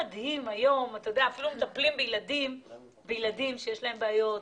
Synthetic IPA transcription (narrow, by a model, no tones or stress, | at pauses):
ad̪himajo̞mat̪ajodeaːfilumet̪aplimbejlad̪im | bejlad̪imʃejeʃlaembeajo̞t